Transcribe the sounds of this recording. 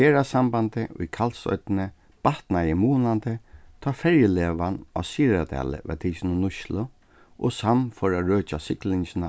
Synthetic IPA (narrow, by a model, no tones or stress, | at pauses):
eːɾasambant̪ɪʔʊ̰jkʰalsɔ̰t̪nə | b̥aht̪najɪmuːnant̪ət̪ʰɑːfɛɹjəleːʋana̰siːɾat̪ʰa̰ːlə̰ʋɛ̰t̪ʰiːt͡ʃɪnʊnʊʃlʊ | ʔɔsamfɔɾaɾøːt͡ʃasɪklɪɲsɪna